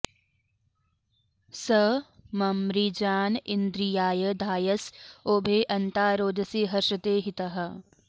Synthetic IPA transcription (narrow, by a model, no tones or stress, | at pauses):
səmɐmɾid͡ʒaːnɪnd̪ɾijaːjəd̪ʱaːjəsoːbʱeːʔɐnt̪aːɾoːd̪ɐsiɦɐɾʃɐt̪eːɦit̪ɐɦɐ̆